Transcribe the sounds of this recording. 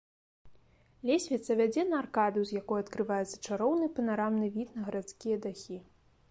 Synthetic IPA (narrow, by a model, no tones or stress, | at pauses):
lʲesʲvʲit̪sɐvʲad͡zʲɛnɐːrkad̪ɨzjakɔjuɐt̪kɾɨvajɛt̪sɐ̥t͡ʂaɾɔwnɨpɐnaɾamnɨvʲit̪nɐɣɐɾat̪skʲijɐd̪axʲi